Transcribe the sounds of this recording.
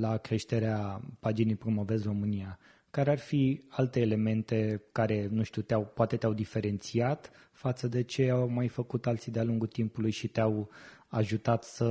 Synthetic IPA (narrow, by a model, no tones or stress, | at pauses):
lakɾe̞ʃt̪e̞ɾeapad͡ʒinejpɾo̞mo̞ve̞zro̞mɨnia | kaɾearfialt̪e̞ːle̞me̞nt̪e̞kaɾe̞nũʃt̪uwt̪eawpoat̪e̞t̪eawd̪ife̞ɾe̞nt̪siat̪ | fat̪səd̪e̞t͡ʃe̞awmajfəkut̪alt̪sid̪ealuŋɡult̪impulujʃit̪eawaʒut̪at̪sə